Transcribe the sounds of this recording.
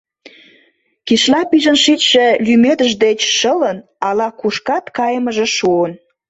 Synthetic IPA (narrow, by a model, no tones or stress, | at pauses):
kiʃlɑpiʒənʃit̪ʃĕlymed̪əʒd̪et͡ɕʃələn | ɑlɑkuʃkɑt̪kɑjəməʒĕʃuən